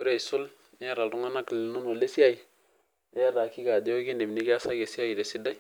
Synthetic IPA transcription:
u˦ɾe˦˨i˨su˦l | i˦a˦˨ɾa˨lɾu˦ŋa˦na˦klnu˦no˨le˦si˦a˦ji˨ | e˦ja˦ɾa˨ki˦ɡa˨de˦o˦ɡi˦ndi˨m˨ni˦ɡe˦a˦sa˦ɡe˨si˦ja˦ji˨ɾe˨si˦da˦j

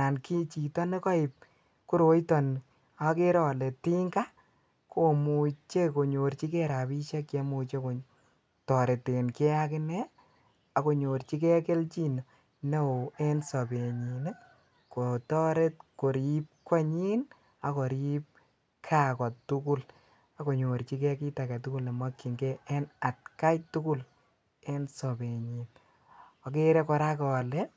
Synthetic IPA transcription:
a˨nki˦t͡ʃi˨tɔ˦ne˦kɔ˦ɪ˨p̚ | ku˦ɾo˨jtɔ˨n | a˧ke˦ɾɔ˨le˨ti˦ŋɡa˦ | ko˨mu˨t͡ʃe˦ko˨ɲo˨ɾt͡ʃi˦kɛ˦ɾa˨pi˦ʃɛ˦kje˧mu˨t͡ʃe˦ko˨ | tɔ˨ɾe˨te˨nke˦a˦kɪ˦ne˦ | a˨ko˨ɲo˨ɾt͡ʃi˦kɛ˦ke˦lt͡ʃi˦no˨ | ne˦o˨e˦nsɔ˨pe˨ɲi˨n | ko˨tɔ˦ɾe˦t̚ko˨ɾip̚kwa˦ɲi˦n | a˨ko˨ɾip̚ | kʰa˦kɔ˨tu˦ku˦l | a˨ko˨ɲo˨ɾt͡ʃi˦kɛ˦ki˦ta˨ka˨tu˦ku˦la˨ma˦kːi˨ŋɡɛ˦ɛ˦na˨t̚ka˦jtu˦ku˦l | e˦nsɔ˨be˨ɲin | ɔ˨k̬e˦ɾɛ˦kɔ˧ɾa˦kɔ˨lɛ˦

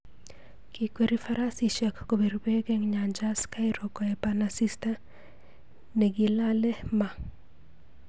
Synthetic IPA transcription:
ki˨kweɾi˦faɾa˦si˨ʃa˨kko˨be˨ɾbe˦ɡɛ˦ŋɲa˨ɲd͡ʒaska˦ɪɾɔ˨kɔ˨ɛpanasi˦sta | ne˨ɡɪla˦lɛ˦ma˨

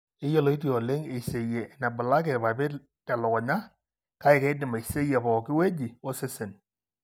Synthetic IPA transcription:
ɪ˦jɔ˦lo˨˦i˦t̬i˦ɔ˨le˦ŋe˨se˨jɛ˨na˨bʊ˨la˦k̬ɛ˨tpa˨pɪ˦ | tɛ˨lɔ˨kɔ˨ɲa˦ | ka˦ɪ˨kɛ˦dɪ˨me˨se˦jɛ˨pɔ˨kɪ˦we˦d͡ʒi˨o˦sɪ˦sɪ˨n

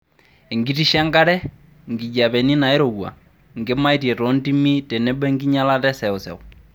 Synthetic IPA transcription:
e˨ŋɡi˦ti˦ʃa˦ŋɡa˦ɾɛ˦ | ŋɡi˨ɟa˨bɛ˨ni˦na˨i˦ɾo˨ɡwa̰˨ | ŋɡe˦ma˦i˦tjɛ˨tɔ˨˦nti˦mi˦tɛ˨nɛ˦bɛ˦ŋɡi˦ɲa˦la˦tɛ˦sɛ˨ʊ˨sɛ̰˨ʊ

